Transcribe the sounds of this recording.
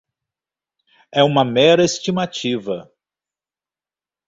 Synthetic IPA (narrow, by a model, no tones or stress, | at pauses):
ɛũmɐmɛɾɐest͡ʃimat͡ʃivɐ